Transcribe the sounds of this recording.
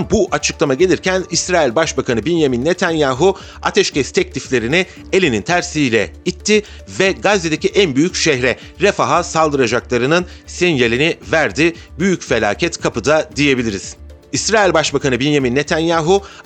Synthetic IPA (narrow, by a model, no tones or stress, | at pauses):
buʔat͡ʃʰɯklˠamaɟe̞lʲiɾcʰænisɾaːilʲbaʃbakʰanɯbinjaminːet̪ʰanjaːɦu | a̰t̪ʰɛʃcʰɛst̪ʰɛclʲiflʲe̞ɾinɪ | e̞lʲinint̪ʰæɾsiːlʲɛit̪ʰːɪ | vɛɡazːed̪ecʰiʔænbyjycʃɛhɾɛ | ɾefaɦasalˠd̪ɯɾad͡ʒaklˠaɾɯnɯnsinjelʲinivæɾd̪ɪbyjycfe̞lʲa̰ːcʰɛt̪kʰapɯd̪ad̪ije̞bilʲiɾiz̥ | isɾaːilʲbaʃbakʰanɯbinjaminːe̞t̪ʰanjaːɦu